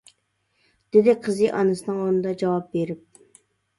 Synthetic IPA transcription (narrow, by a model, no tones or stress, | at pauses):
d̪̥ɪd̪ɪqʰəzɨʔɑnɨsɨnɨŋonɨd̪ɑd͡ʒɑwɑp̚beɾɪp̚